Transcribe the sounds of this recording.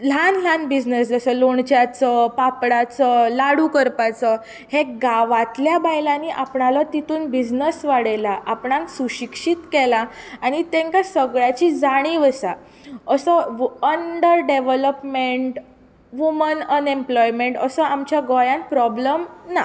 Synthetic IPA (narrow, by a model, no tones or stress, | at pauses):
l̤anl̤anbid͡ʑnəsd͡zəsəloɳt͡ɕjat͡səpapɽat͡səlaɽukəɾpat͡sə | hẽɡaʋat̪ljabajlaniːʔapɳalat̪it̪uːnbid͡ʑnəsʋaɽelaʔapɳãŋksuɕikʂiːt̪kɛla | aɽ̃it̪ẽŋkasəɡɭjat͡ɕiːd͡zaɽ̃iːʋəsa | əsəəɳɖəɾɖeʋələpmeɳʈ | ʋumənənemplɔjmeɳʈəsəamt͡ɕjaɡɔjãnpɾɔbləmna